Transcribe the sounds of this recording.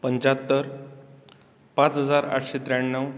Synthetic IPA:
pəɲt͡ɕat̪ːəɾ | pãt͡sɦəd͡zaɾa̰ʈʰɕet̪ɾaɳːəw

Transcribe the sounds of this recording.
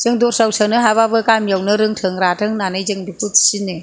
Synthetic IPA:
z̥ɯŋdɔɾsawsanɯɦaβabɯkamjawnɯɾɯŋtʰɯŋɾatʰɯŋnanɯjzɯŋdukʰutʰi̥sinːɯ

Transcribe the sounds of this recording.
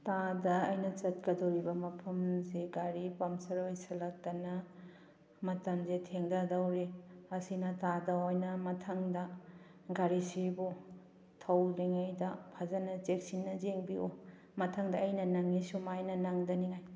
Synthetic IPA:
tadɐɐjnɐt͡ʃɐt̚kɐdɐwɾibɐmɐpʰɐmzeɡaɾipɐmsɐɾojsɐlɐk̚tɐnɐ | mɐtɐmzetʰeŋdɐdɐwɾiɐsinɐtadɐwojnɐmɐtʰɐŋdɐ | ɡaɾisibu | tʰɐwliŋajdɐpʰazɐnɐt͡ʃek̚sinːɐzeŋbio | mɐtʰaŋdɐːjnɐnɐŋːisumajnɐnaŋdɐniŋaj

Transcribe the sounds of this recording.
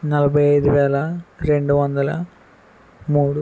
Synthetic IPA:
nɐlɐbʱɐjɐjd̪uʋɛːɭɐɾe̞ɳɖuʋɐnd̪ɐlɐ̰ | muːɽu

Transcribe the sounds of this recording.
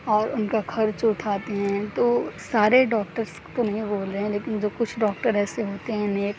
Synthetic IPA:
ɔːɾʊnkakʰɐɾt͡ʃʊʈʰaːt̪eɦɛ̃t̪oːsaːɾeɖɔːk̚ʈəɾs | t̪onɐɦĩboːlɾeɦɛ̃leːkɪnd͡ʒoːkʊt͡ʃʰɖɔːk̚ʈəɾɛːseɦoːt̪eɦɛ̃neːk

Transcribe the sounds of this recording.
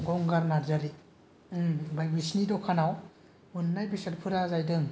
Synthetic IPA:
ɡɔŋɡaɾnaɾzaɾi | bajbisnidɔkʰanaw | unːajbisatpʰɯɾazajdɯŋ

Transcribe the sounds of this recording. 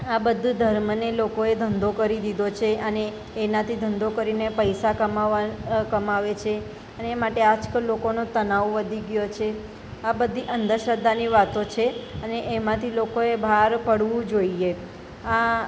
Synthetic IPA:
abəd̪ʱud̪ʱəɾmnelokoed̪ʱənd̪okəɾid̪id̪ot͡ʃʰeʔəneː | nãt̪ʰid̪ʱənd̪okəɾinepəjsakəmakəmaʋet͡ʃʰe | əneːmaʈead͡ʒkəlokonot̪ənaʋʋəd̪ʱiɡjot͡ʃʰe | abəd̪ʱiʔənd̪əʃəd̪aniʋat̪ot͡ʃʰeəneʔemãt̪ʰilokoebʱaɾpəɽʋũd͡ʒoie | a

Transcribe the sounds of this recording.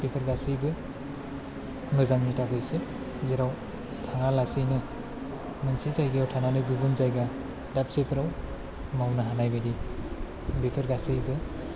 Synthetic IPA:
b̥epʰeɾɡasijbɯ | mɯzaŋnitaɡɯjse | zeɾaw | tʰaŋalasɯjnɯ | mɯnsizajɡijawtʰananɯɡubunzajɡa | dap̚sepʰɯɾaw | mawnɯɦanajbɯdi | bepʰeɾɡasijbɯ

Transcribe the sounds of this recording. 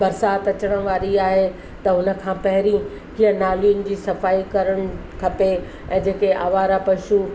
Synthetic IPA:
bɐɾsaːt̪ɐt͡ɕəɽ̃əɽ̃ʋaːɾiaːɦe | t̪ɐʊnə̆kʰãːpɐɦɪɾĩ | ɦiənaːlijʊnɪ̆d͡ʑiːsɐfaːikɐɾəɽ̃ʊkʰɐpe | ɛ̃ːd͡ʑeːkeʔa̰ːʋaːɾapɐʃu

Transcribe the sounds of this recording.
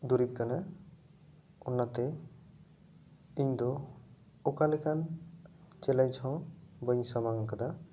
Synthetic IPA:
d̪uɾip̚kana | ɔnːat̪ɛ | iɲd̪ɔ | ɔkalɛkan | t͡ʃɛlajt͡ʃʰɔ̃bəɲsamaŋkad̪a

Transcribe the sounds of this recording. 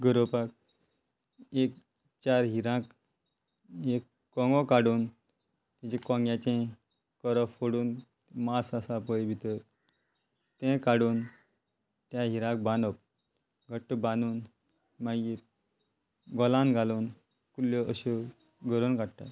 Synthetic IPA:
ɡəɾopak̚ | ek̚ | t͡ɕaɾɦiɾãk | ekːɔ̃ŋɡɔkaɽuːn | t̪ɛ̃t͡ɕẽkɔ̃ŋɡjãt͡ɕẽ | kɔɾɔffoɽuːn | masasapəjbʱit̪əɾ | t̪ɛ̃kaɽuːn | t̪jaɦiɾãk̚bãnɔp̚ | ɡʱəʈːəbãnuːn | mãjiːɾ | ɡɔlãnɡʱaluːn | kuljɔəɕu | ɡʱəɾonkaɽʈ̪a̰t̪

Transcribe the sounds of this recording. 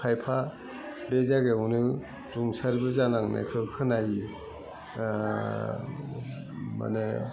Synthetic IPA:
kʰajpʰa | bezaɡeɔnɯ | ɾuŋsaɾbɯzanaŋna̰jkʰɯkʰɯnaji | ma̰nɯ

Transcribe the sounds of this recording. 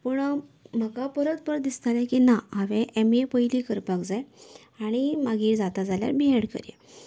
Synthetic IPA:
pəɳm̤əkapəɾət̪̚pəɾət̪̚d̪ist̪alẽkinaɦaʋẽʔemepəjliːkəɾpakd͡zaj | aɽ̃imaɡiːɾd͡zat̪ad͡zalja̰ɾbiɦeɽkə̰ɾjḛ

